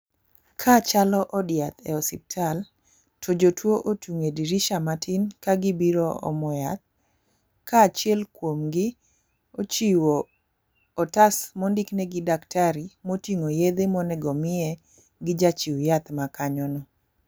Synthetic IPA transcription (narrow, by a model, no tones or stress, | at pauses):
kʰat͡ʃalɔʔɔdɪjat̪ɛɔsḭp̚tʰal | tʰod͡ʒotwoʔotʰuŋediɾiʃamatʰinkaɡɪbiɾɔɔ̰mɔjat̪̚ | kaːt͡ʃjɛlkwomɡɪ | ot͡ʃiwoː | tasmɔndiknɛɡɪdaktʰaɾimotiŋojed̪emɔnɛɡɔmɪɛ | ɡɪd͡ʒat͡ʃiwjat̪makaɲɔnɔ